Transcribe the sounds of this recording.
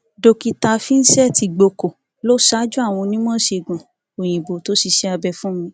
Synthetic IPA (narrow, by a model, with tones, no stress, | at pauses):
do˧ki˧ta˧fi˦n̩˦sɛ˦˨ti˧ɡ͡bo˧ko˨ | lo˦ʃa˦d͡ʒu˦a˦˨w̃ɔ̃˧nĩ˦m̃ɔ̃˦ʃe˧˨ɡɔ̃˨ | o˨j̃ĩ˨bo˨to˨˦si˧ʃɛ˧a˧bɛ˧fũ˦mĩ˧˦